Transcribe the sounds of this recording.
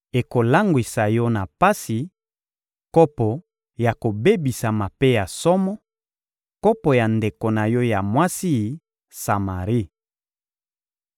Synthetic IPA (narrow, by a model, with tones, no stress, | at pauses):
e˨ko˨la˦ŋɡwi˨sa˨jɔ˦na˨pa˦si˨ | kɔ˦pɔ˨ | ja˨ko˨be˦bi˨sa˨ma˨pe˦ja˨sɔ˦mɔ˦ | kɔ˦pɔ˨ja˨nde˨ko˨na˨jɔ˦ja˨mwa˦si˦˨ | sa˨ma˨ʁi˦